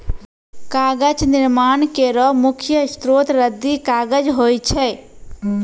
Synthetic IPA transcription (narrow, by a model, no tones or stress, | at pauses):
kaːɡət͡ʃnɪɾmaːɳkeɾɔmʊkʰjəst̪ɾoːt̪ɾəd̪ːikaːɡəd͡ʒɦoːjt͡ʃʰɛː